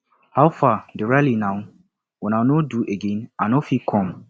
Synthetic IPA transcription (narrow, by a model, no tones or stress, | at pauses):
hawfadɛɹalinãʊ | wɛ̃nanoduʔeɡẽnanofikʰɔ̃m